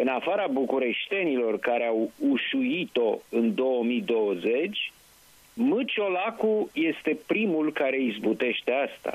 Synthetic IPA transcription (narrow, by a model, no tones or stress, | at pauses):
ɨnafaɾabukuɾe̞ʃt̪e̞nilo̞rkaɾeawuʃujit̪o̞ɨnd̪o̞wəmid̪o̞wəze̞t͡ʃʲ | mɨt͡ʃo̞lakuje̞st̪e̞pɾimulkaɾe̞izbut̪e̞ʃt̪e̞ast̪a̰